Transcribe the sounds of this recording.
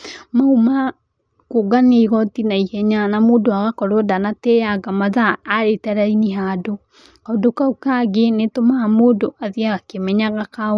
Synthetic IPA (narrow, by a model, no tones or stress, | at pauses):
mauma | koɡaneiɣɔtinaihɛɲanamoːdoaɣakɔɾoɔdanatejaɣamaðaːɾetɛɾainiɦaːdo | kaodokaukaɡenetomaːmoːdoʔaðiaɣakemɛɲaɣaka